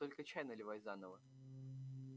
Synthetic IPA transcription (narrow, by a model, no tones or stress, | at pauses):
t̪o̞lʲkət͡ɕæjnəlʲɪvajzanəvə